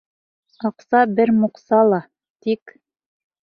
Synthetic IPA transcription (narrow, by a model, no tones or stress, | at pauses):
ɑqsɑbɘɾmŏqsɑlˠɑ | t̪ik